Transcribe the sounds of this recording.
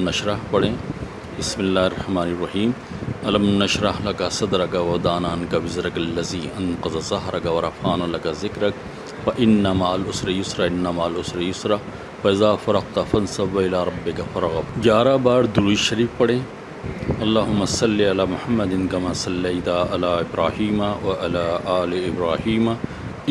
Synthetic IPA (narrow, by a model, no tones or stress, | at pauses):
nɐʃɾɐɦpɐɽẽː | bɪsmilːaːɦɪrˤɐħmaːniɾːɐɦiːm | ɐlɐmnɐʃɾɐɦlɐkasɐd̪ɾɐkɐwɐd̪aːnaːnkɐwɪzɾɐkɐlːɐziːʔɐnqɐzɐzɐɦɾɐkɐʋɐɾɐfaːnɐlɐkazɪkɾɐk̚ | fɐʔɪnːɐmaːlʊsɾɐjʊsɾɐɪnːɐmaːlʊsɾajʊsɾɐ | fɐɪzaːfɐɾɐɣt̪afɐnsɐːɐɪlaːɾˤɐbːɪkɐfɐɾɐɣɐjaːɾabaːɾd̪uiʃɐɾiːfpɐɽẽː | ɐlːaːɦʊmːɐsɐlːiɐlaːmʊhɐmːɐd̪ɪnkɐmaːsɐlːɐjt̪aʔɐlaːɪbɾaːhiːmɐwɐʔɐlaːʔaːliɪbɾaːhiːmɐ